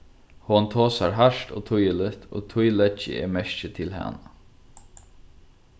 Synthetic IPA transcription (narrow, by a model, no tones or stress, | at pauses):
hʊnt̪ʰoːsaɹɦaʃt̪o̰ːt̪ʰʊjəlɪt̪o̰ːt̪ʰʊjlɛt͡ʃːə̰ɛ̰mɛʃt͡ʃət̪ʰɪlɦa̰na